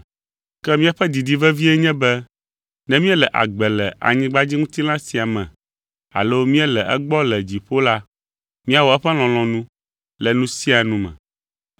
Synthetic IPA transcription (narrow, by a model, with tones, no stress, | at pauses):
kɛ˦mĩ˦a˦ɸɛ˦d̪i˨d̪i˨vɛ˦vi˦ɛ˦ɲɛ̃˦bɛ˦ | nɛ̃˦mĩ˦ɛ˦lɛ˨ʔa̰˨ɡ͡bɛ˨lɛ˨a̰˨ɲĩ˦ɡ͡ba˦d͡ʑi˦ŋũ˦t̪i˦lã˦si˨a˨mɛ̰̃˨ | a̰˨lo˦mĩ˦ɛ˦lɛ˨ʔɛ̰˦ɡ͡bɔ˦lɛ˨d͡ʑi˨ɸo˦la˦ | mĩ˦a˨wɔ˨ɛ˦ɸɛ˦l̃ɔ̃˨l̃ɔ̃˨nũ˦ | lɛ˨nũ˦si˦a˨nũ˦mɛ̰̃˨